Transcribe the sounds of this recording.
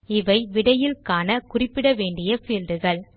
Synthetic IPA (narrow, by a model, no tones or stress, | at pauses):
ɪʋɐɪʋɪɽɐjɪlkaːnɐkʊrɪpːɪɽɐʋeːɳɖɪjɐfiːlɾɯɣɐɭ